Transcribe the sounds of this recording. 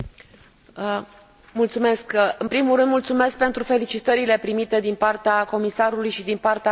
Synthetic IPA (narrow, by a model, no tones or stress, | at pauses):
mult̪sume̞skɨnpɾimulɾɨnd̪mult̪sume̞sk̚pe̞nt̪ɾufe̞lit͡ʃit̪əɾile̞pɾimit̪e̞d̪inpart̪eako̞misaɾulujʃid̪inpart̪ea